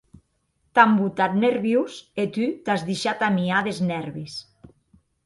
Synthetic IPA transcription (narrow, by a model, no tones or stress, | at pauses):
t̪ambut̪at̪̚neɾβjuset̪yt̪azðiʃat̪amiaðeznɛɾβis